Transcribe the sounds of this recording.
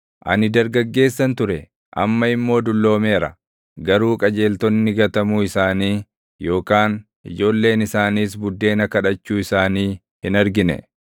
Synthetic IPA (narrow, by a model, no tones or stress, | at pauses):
ʔɐ̰nɪd̪ɐɾɡɐɡːe̞ːsːɐnt̪ʊɾɛ | ʔɐ̰mːɐɪmːo̞ːd̪ʊlːo̞ːmeːɾɐ̰ | ɡɐɾuːkʼɐd͡ʒe̞ːlt̪ɔnːɪɡɐt̪ɐmuːɪsaːniː | jo̞ːkaːn | ʔɪd͡ʒo̞ːlːe̞ːnɪsaːniːsbʊd̪ːe̞ːnɐkɐᶑɐt͡ʃːuːɪsaːniː | hɪnɐɾɡɪnɛ̰